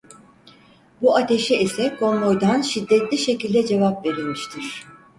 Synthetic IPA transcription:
buat̪ʰe̞ʃɛisɛkʰo̞nˠo̞jd̪anʃid̪ːɛt̪lʲiʃe̞cilʲd̪ɛd͡ʒe̞vapve̞ɾilʲmiʃt̪ʰiɾ̝̥

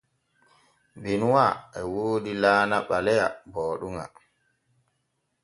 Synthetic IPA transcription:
binwaʔɛwoːdilaːnaɓalɛja̰bɔːɗuŋa̰

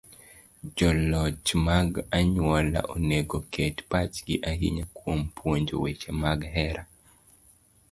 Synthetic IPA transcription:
d͡ʒɔlɔt͡ʃmaɡaɲwɔla̰ʔoneɡokʰɛtpat͡ʃɡɪʔaɦḭɲakwompwoɲd͡ʒowet͡ʃemaɡɦɛɾa

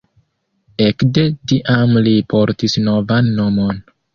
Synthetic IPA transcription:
e̞kde̞tiʔamlipʰo̞ɾtisno̞vanːo̞mo̞n

